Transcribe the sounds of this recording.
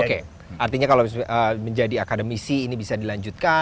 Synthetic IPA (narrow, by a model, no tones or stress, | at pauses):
oke | art̪iɲakalosəməɲd͡ʒadiakadəmisiːnibisadilaɲd͡ʒut̪̚ka